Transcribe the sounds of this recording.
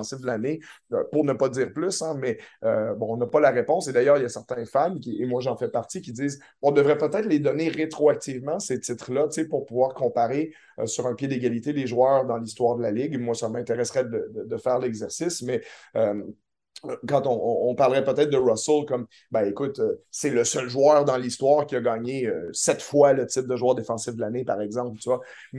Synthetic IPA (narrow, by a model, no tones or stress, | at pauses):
sɪfd̪əlaneø̰puʁnəpʌd̪iːʁplysɛ̃mɛøbɔ̃ɔ̃napalaʁepɔ̃sed̪ajœːʁiljasɛʁt̪ɛ̃famkʲiemwaʒɑ̃fɛpaʁt̪ikʲid̪iːz | ɔ̃d̪əvʁɛpət̪ɛːt̪χled̪ɔneʁet̪χoak̚t̪ivmɑ̃set̪ɪt̪χlʌt͡sepuʁpuvwaːʁkɔ̃paʁḛ | syʁɛ̃pjɛd̪eɡʲalit̪eleʒwœːʁd̪ɑ̃list̪waːʁd̪əlalɪɡmwasamɛ̃t̪eʁɛsʁɛd̪əd̪əd̪əfɛːʁlɛɡzɛʁsismɛøm | kɑ̃t̪ɔ̃ːpaʁləʁɛpət̪ɛːt̪̚d̪əʁɔsəlkɔm | bɛ̃ekʊt̪øsɛləsœlʒwœːʁd̪ɑ̃list̪waːʁkʲiaɡɑːɲeøsɛt̪fwalət̪ɪt̚d̪əʒwœːʁd̪efɑ̃sifd̪əlanepaʁɛɡzɑ̃put̪yvwa | m